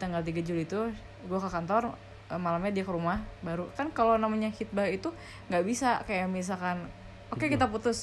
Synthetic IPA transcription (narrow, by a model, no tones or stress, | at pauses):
t̪aŋɡalt̪̬iɡad͡ʒulit̪u | ɡuakəkant̪ɔr | əmalamɲadiakəɾumahbaɾukankalonamaɲahit̪̚bahit̪u | ŋɡaʔbisakajamis̬akan | okekit̪aput̪ʊs